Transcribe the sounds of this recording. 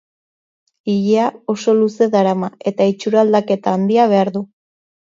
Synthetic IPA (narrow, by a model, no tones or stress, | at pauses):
iʎeao̞so̞luse̞ðaɾamae̞t̪ait͡ʃuɾald̪ake̞t̪aːnd̪iaβ̞e̞aɾðu